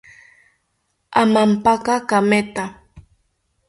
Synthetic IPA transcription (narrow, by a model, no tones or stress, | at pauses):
amampakakamet̪a